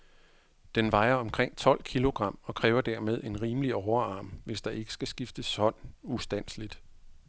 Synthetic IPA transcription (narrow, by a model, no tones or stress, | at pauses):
d̥enʋɑ̈ɪɐɒ̽mkʰʁeŋ̰t͡sʰɒ̽l̰kʰilo̝ɡ̥ʁɑ̈m̰ɒ̽kʰʁɛːʊɐd̥æɐmeð̞ˠe̝nʁiːməliɒʊɐɑ̈ːmʋe̝sd̥ɑ̈ʔe̝ɡ̥ə̥sɡ̥æsɡ̥ifd̥əshɒ̽n̰usd̥æn̰slid̥